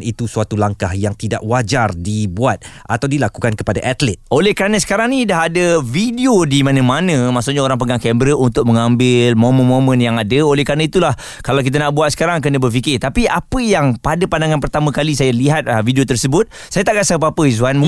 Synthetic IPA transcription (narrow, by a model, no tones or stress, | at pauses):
it̪usuat̪ulaŋkahjaŋt̪ida̰ʔwad͡ʒardibuat̪̚ | at̪awdilakukankəpadaʔat̪lɛt̪̚ʔolɛhkəɾanə̃sə̥kaɾaŋnĩdaɦadəvidiodimãnə̃manə̃mahsoʔɲaoɾaŋp̬əɡaŋkɛmbɾəʔunt̪ʊk̚mə̃ŋãmbɪlmõmə̃nmõmə̃njaŋadəolɛhkanãit̪ulah | kalawk̬it̪̬anaʔbuat̪̚sə̥kaɾaŋk̬ənəbərfikɪt̪apiʔapəjaŋpadapandaŋãnpərt̪amə̃kalisajaliɦat̪̚vidiot̪ərsəbʊt̪̚ | sajat̪aʔkasəapaapəzuanm